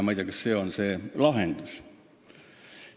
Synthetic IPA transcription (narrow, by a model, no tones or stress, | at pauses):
mɑjd̪ʲjɑkɑsseonseːlɑɦend̪̥us